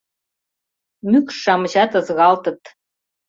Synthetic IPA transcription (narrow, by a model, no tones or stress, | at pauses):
mykʃːɑmə̆ʑɑt̪ɤ̆zɣɑlt̪ɤ̆t̪